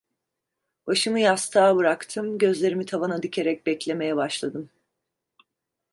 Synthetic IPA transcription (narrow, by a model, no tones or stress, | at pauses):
baʃɯmɯjast̪ʰaːbɯɾakt̪ʰɯmɟø̞zlʲe̞ɾimit̪ʰavanad̪icʰe̞ɾɛc̚bɛclʲe̞me̞jɛbaʃlˠad̪ɯm